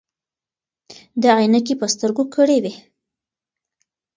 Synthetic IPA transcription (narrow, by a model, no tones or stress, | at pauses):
d̪əaajnakipəst̪əɾɡokʰəɽewe